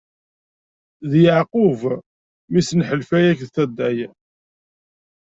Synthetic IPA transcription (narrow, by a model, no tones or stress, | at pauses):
ðjəʕqʊv | misnħəlfæjækðθæd̪ːæjæ